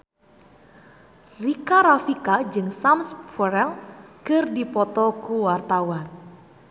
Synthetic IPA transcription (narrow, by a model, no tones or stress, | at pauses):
rikaɾafikad͡ʒɨŋsamspʰɔɾɛlkɨrdipɔt̪ɔkuwart̪awan